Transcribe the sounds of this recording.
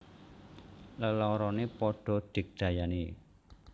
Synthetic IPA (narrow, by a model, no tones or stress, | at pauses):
ləlɔɾɔnepɔɖ̥ɔ̤d̪̥ɪ̤k̚d̪̥ä̤jane